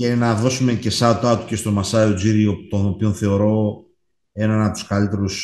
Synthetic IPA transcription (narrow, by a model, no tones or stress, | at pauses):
enɐðo̞sume̞ce̞sɐt̪oɐt̪u̥ce̞st̪o̞mɐsɐiod͡ziɾiot̪o̞nopionθe̞o̞ɾo̞ | e̞nɐnɐpot̪u̥skɐlit̪e̞ɾus